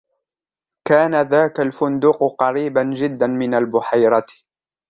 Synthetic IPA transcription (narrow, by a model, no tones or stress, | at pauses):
kaːnaðaːkalfʊnd̪uːqqɑɾiːband͡ʒɪd̪ːanmɪnalbʊħajɾˤɑt̪